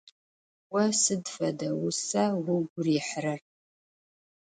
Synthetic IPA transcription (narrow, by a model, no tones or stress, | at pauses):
wɐsɨdfɐdɐwʊsawʊɡʷʊriħrɐr